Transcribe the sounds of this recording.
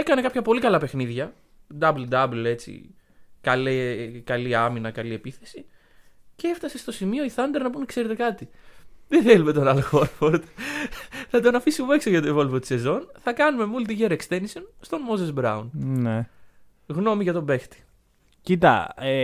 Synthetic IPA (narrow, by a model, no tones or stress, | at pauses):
e̞kɐne̞kɐpçɐpo̞likɐlɐpexniðʝɐ | d̪ɐbld̪ɐble̞t͡sḭ | kɐlekɐliɐminɐkɐlie̞piθe̞si | cee̞ft̪ɐse̞st̪o̞simio̞iθɐnd̪e̞ɾnɐpunekse̞ɾe̞t̪e̞kɐt̪iðeθelume̞t̪o̞nɐloxoɾfoɾd̪ | θɐt̪o̞nɐfisimueksoʝɐt̪oivo̞lvot̪i̥se̞zo̞nθɐkɐnume̞mult̪iʝeɾekst̪enisonst̪o̞nmo̞zesbɾɐunne | ɣno̞miʝɐt̪obe̞xt̪i̥ | cit̪ɐ̰e